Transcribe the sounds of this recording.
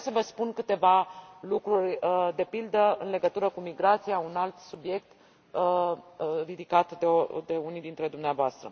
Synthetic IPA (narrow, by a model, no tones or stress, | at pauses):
səvəspunkɨt̪e̞valukɾurʲəd̪e̞pild̪əɨnle̞ɡət̪uɾəkumiɡɾat̪sijaunalt̪subje̞k̚t̪ | ə | rid̪ikat̪d̪eod̪e̞unid̪int̪ɾe̞d̪umneavoast̪ɾə̰